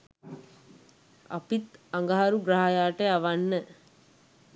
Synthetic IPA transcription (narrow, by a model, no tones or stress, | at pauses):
a̰pit̪aŋɡaɦaɾuɡɾaɦajaːʈəaʋanːə